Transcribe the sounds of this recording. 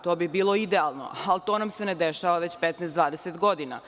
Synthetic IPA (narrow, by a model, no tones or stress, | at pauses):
t̪o̞ːbibiːlˠo̞id̪ealˠno̞̰alt̪oːnamsened̪eʃaʋaʋet͡ɕpet̪nɛːsd̪ʋaːd̪eset̪ɡo̞d̪ina̰